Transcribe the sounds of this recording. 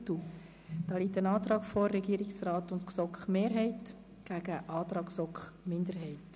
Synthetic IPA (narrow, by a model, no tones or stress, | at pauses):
tu | d̥ɑːliːtənɑːt̪ɾɑːkfɔːɛɡiːɾɪksrɑːtʊntksɔkχmeːɾɦɛɪt | ɡ̥æɡ̥əʔɑːt̪ɾɑːksɔkχmɪnd̪əɾɦɛɪt